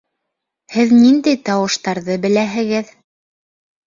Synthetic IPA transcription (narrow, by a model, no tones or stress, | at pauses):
hɘðnind̪æjt̪ɑwɤ̆ʃt̪ɑɾðɤbɘ̆læɦɘ̆ɡɘð